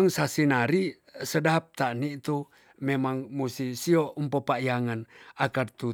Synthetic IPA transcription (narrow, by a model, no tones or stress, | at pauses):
ŋsasinaɾi | sədap̚t̪aʔnit̪u | memaŋmusisiompəpajaŋanakart̪u